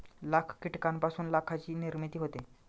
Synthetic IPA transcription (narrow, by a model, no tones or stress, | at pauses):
lakʰkiʈkampasuːnlakʰat͡ɕiːniɾmit̪iːɦot̪e